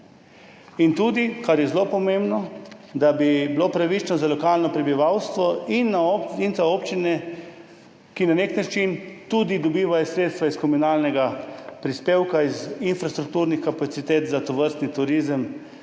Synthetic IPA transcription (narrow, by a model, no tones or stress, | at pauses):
int̪ud̪ikaɾjɛzlopɔmembnɔd̪abibilopɾaʋit͡ʃnɔzalɔkalnɔpɾɛbiʋawst̪ʋɔinːaoinzaoːpt͡ʃinɛ | kinaneknat͡ʃint̪ud̪id̪ɔbiːʋajɔsɾeːt̪st̪ʋaiskɔmunalnɛɡapɾispeːwkaizinfɾast̪ɾuk̚t̪uːɾnixkapat̪sit̪eːt̪zat̪ɔʋəɾst̪nit̪uɾizəm